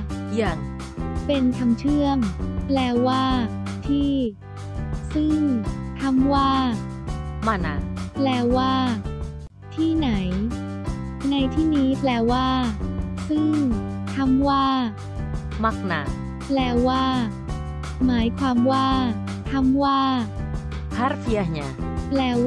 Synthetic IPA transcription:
i˧˩ən | pe˧nk̪ʰa˧mt͡ɕʰɯ˥˩əŋplɛː˧waː˥˩t̪ʰiː˥˩ | sɯ˥˩ŋt̪ʰa˦˥mwaː˥˩ | maː˧˩na̰ː˩˦ŋplɛː˧waː˥˩ | t̪ʰiː˥˩na˩˦j | na˧jt̪ʰiː˥˩niː˦˥plɛː˧˩waː˥˩sɯ˥˩ŋ | t̪ʰa˧˥mwaː˥˩ | ma˧˩k̚na̰˨˩ | plɛː˧waː˥˩ | maː˩˦jkʰwaː˧mwaː˥˩ | t̪ʰa˧˥mwaː˥˩ | pʰa˦˥ɾpʰi˧ə˧hɲa˨˧˩plɛː˧

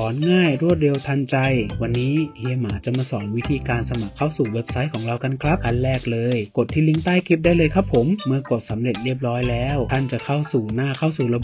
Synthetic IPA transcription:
ɔː˩˦nŋaː˥˩jɾu˥˩ət̪̚de˧wt̪ʰa˧nt͡ɕa˧jwa˧nːiː˦˥heː˧maː˩˦t͡ɕa˨˩maː˧sɔː˩˦ŋwi˦˥t̪ʰiː˧kaː˧nsa˧ma˨˩kʰːa˥˩wsuː˨˩we˦˥p̚sa˦˥jkʰɔː˩˦ŋɾa˧wka˧nkʰɾa˦˥p̚ka˧nlɛː˥˩k̚lɤː˧jko˨˩t̪ʰːiː˥˩li˦˧˥ŋt̪aː˥˩jkʰi˦˥p̚daː˥˩jlɤː˧jkʰa˦pʰːo˩˦mːɯ˧əko˨˩t̪̚sa˩˦mɾe˨˩t̪̚ɾi˥˩əp̚ɾɔː˦˥jlɛː˦˥wt̪ʰa˥˩nt͡ɕa˨˩kʰa˥˩wsuː˨˩naː˥˩kʰa˥˩wsuː˨˩ɾa˧b

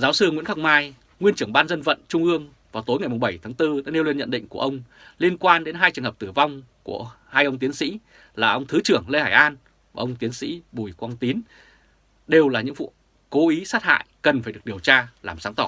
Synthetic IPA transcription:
zaː˨˦wsɨ˧ŋwi˧˥nxa˦˥k̚maː˧j | ŋwi˧ənt͡ɕɨ˨˧˩əŋɓaː˧nzə˧nvə̰˧˨nt͡ɕʊ˧ŋ͡mʔɨ˧əŋ | vaː˨˩wt̪o˨˦jŋa˨˩jmʊ˨˩ŋ͡mɓə˧˩jt̪ʰaː˨˦ŋt̪ɨ˧ɗa̰ː˧˥ne˧wli˧ənɲə̰˧˨nɗḭ˧˨ŋ̟ku˧˩əʔə˧wŋ͡m | li˧ənkwaː˧nɗe˨˦nɦaː˧jt͡ɕɨ˨˩ŋəː˨˩p̚t̪ɨ˧˩va˧wŋ͡m | ku˧˩ə | haː˧jʔə˧wŋ͡mt̪i˨˦ənsḭ˧˥ | laː˨˩ʔə˧wŋ͡mt̪ʰɨ˨˦t͡ɕɨ˧˩əŋle˧haː˧˩jʔaː˧nː˨˩ | ʔə˧wŋ͡mt̪i˨˦ənsḭ˧˥ɓu˨˩jkwaː˧nt̪i˨˦ən | ɗe˨˩wlaː˨˩ɲɨ̰˧˥ŋvṵ˧˨ | ko˨˦ʔi˨˦saː˦˥t̚ha̰ː˧˨jkə˨˩nfaː˧˩jɗɨ˨˩ək̚i˨˩əwt͡ɕaː˧laː˨˩msaː˨˦ŋt̪ɔ˧˩

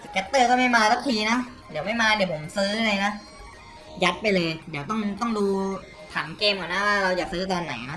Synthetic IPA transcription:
si˧˩kːa˦˥t̪ːɤː˥˩kɔː˥˩ma˥˩jmaː˧sa˦˥k̚t̪ʰiː˧na˦˥ | di˨˦ma˥˩jmaː˧di˨˩˦wpʰo˨˩˦msɯː˦˥la˧jna˦˥ʔ | ja˦˥t̪̚pa˧jlɤː˧jdiː˨˩˦wt̪ɔ˥˩ŋt̪ɔ˥˩ŋduː˧ | t̪ʰaː˩˦ŋkeː˧mkaː˨˩na˦˥waː˥˩ɾa˧wjaː˨˩k̚sɯː˦˥t̪ɔː˧nːa̰˨˩˦jna˦˥ʔ

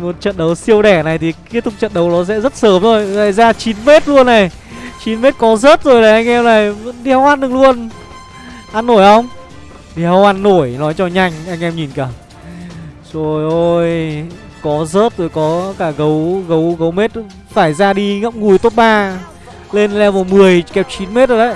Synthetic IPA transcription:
mo˨˩t̚t͡ɕə̰˧˨nɗə˨˦wsi˧əwɗɛ˧˩na˨˩jt̪ʰi˨˩ki˦˥t̪̚ʊ˧˥k͡p̚t͡ɕə̰˧˨nɗə˨˦wɗɔ˨˦sɛ̰˧˥zə˦˥t̚səː˨˦mzo˨˩jŋa̰ː˧˨jzaː˧t͡ɕi˨˦nme˦˥t̚lu˧ənːa˨˩j | t͡ɕi˨˦nme˦˥t̚kɔ˨˦zəː˦˥t̚zo˨˩jlaː˨˩jʔa˧jŋ̟ʔɛ˧mna˨˩jvə̰˧˥nɗi˧˩ha˧wʔa˧nɗɨ˨˩ŋlu˧ən | ʔa˧nːo˧˩jhə˧wŋ͡m | t̪i˨˩ha˧wʔa˧nːo˧˩jnɔ˨˦jt͡ɕɔ˧ɲa˧jŋ̟ʔa˧jŋ̟ʔɛ˧mɲi˨˩nkaː˧˩ | zo˨˩jʔo˧j | kɔ˨˦zəː˦˥t̚zo˨˩jkɔ˨˦kaː˧˩ɣə˨˦wɣə˨˦wɣə˨˦wme˦˥t̚ | faː˧˩jzaː˧ɗi˧ŋə̰˧˥mŋ͡mŋu˨˩jt̪o˦˥t̚ɓaː˧ | le˧nlɛ˧wvɔ˨˩mɨ˨˩əjkɛ˨˩p̚t͡ɕi˨˦nme˦˥t̚zo˨˩ə˨˦j

